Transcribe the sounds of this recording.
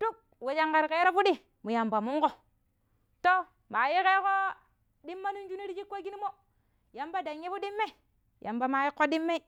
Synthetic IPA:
tu˦k̚ | we˨d͡ʒa˨ŋka˨ɾke˦ɾo˦fu˦ɗi˦ | mu˨ja˨mba˨mu˦ŋko˦ | to˦ | ma˨ji˦ke˦ko˦ | ɗi˦mːa˦nu˦nd͡ʒu˦ni˦ɾi˦d͡ʒi˦kːo˦ɡi˦ni˦mo˦ | ja˨mba˦da˨ɲji˦fu˦ɗi˦mːe˦˨ | ja̰˨mba˨ma˨ji˦kːo˦ɗi˦mːe˦i˦

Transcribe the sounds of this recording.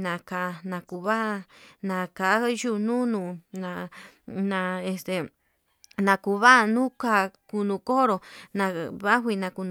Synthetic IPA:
nã˨ka˧nã˧ku˧βa˦˧nã˧˨ka˨˦ju˦nũ˦nũ˧nã˧ | nã˧e˧st̪e˨ | nã˧ku˧˨βa˦˧nũ˦ka˧˦ku˧nũ˧ko˦ɾo˧nã˧βa˦ɦʷi˧nã˧ku˧ñ˧

